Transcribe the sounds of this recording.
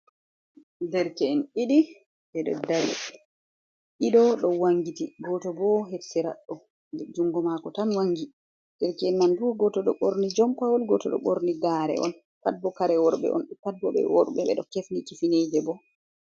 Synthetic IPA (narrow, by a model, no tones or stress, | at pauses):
dɛɾkɛɛniɗi | ɓɛɗɔ̰dalḭ | iɗɔɗɔwaŋɡitiɡɔtɔbɔɦetsɛɾa̰ɗːɔ | d͡ʒuŋɡɔmakɔtanwaŋːɡi | d̥ɛɾkɛɛnmanfɔɡɔtɔɗɔɓoɾnid͡ʒɔmpawɔlɡɔtɔɗɔ̰ɓoɾniɡaːɾɛ̰ʔɔ̰n | kad̚bɔkaɾɛwɔɾɓɛ̰ʔɔ̰nɗkad̚bɔɓɛ̰wɔ̰ɾɓɛɓɛ̰ɗɔkefnikifined͡ʒɛbɔ